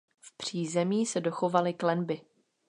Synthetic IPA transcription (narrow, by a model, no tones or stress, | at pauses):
fpr̝̥iːzɛmiːsɛdo̞xo̞valɪklɛnbɪ